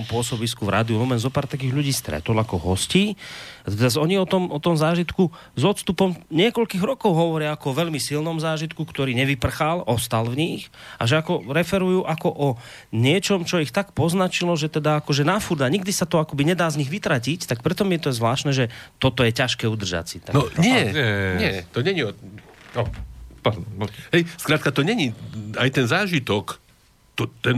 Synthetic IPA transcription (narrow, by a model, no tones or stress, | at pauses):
mpʊɔsɔbiskuvɾʔa̰ːd̪iumɔmɛnzɔpaːɾt̪ak̬iːɣʎuɟiːst̪ɾɛ̰t̪ɔlakɔɦɔsciːat̪ɛɛazɔɲiɔt̪ɔmɔt̪ɔmzaːʒit̪ku | zɔt̪st̪upɔmɲɪɛkɔʎkiːɣɾɔkɔʊɦɔʋɔɾɪaakɔɔʋɛʎmisilnɔmzaːʒit̪kukt̪ɔɾiːɲɛʋipr̩xalɔst̪alvɲixa̰ʒɛakɔɾɛfɛɾujuːʔakɔʔɔ | ɲɪɛt͡ʃɔmt͡ʃɔixt̪akpɔznat͡ʃilɔʒɛt̪ɛd̪aakɔʒɛnafuɾd̪aɲiɡd̪isat̪ɔakɔbiɲɛd̪aːzɲiɣʋit̪ɾacict̪ak̚pɾɛt̪ɔmjɛt̪ɔzʋlaːʃt̪nɛːʒɛt̪ɔt̪ɔjɛcaʃkɛːud̪r̩ʒa̰t͡sit̪anɔɲɪɛɛɲɪɛt̪ɔɲɛɲiɔɔpad̪mɦɛjskɾaːt̪kat̪ɔɲɛɲiajt̪ɛnzaːʒit̪ɔk | t̪ɔt̪ɛn